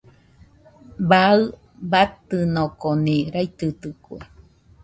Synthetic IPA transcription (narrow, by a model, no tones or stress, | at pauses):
baɨ | bat̪ɨnõkonĩɾajt̪ɨt̪ɨkwḛ